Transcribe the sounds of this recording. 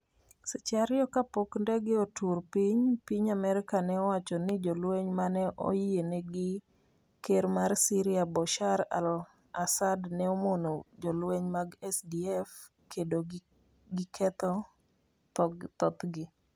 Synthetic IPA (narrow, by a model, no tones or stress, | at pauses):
sɪt͡ʃaɾjɔkapokndɛɡɪotʰurpiɲpiɲamɛɾɪkanɛɔwat͡ʃɔnɪd͡ʒɔlweɲmanɛʔo̰jeneɡɪ | keɾmarsiɾɪabɔʃaɾa̰l | asadnɛɔmonod͡ʒɔlweɲmaɡɛsdiɛf | kʰedo | ɡɪkʰɛt̪ɔ | t̪ɔɡt̪ɔt̪ɡɪ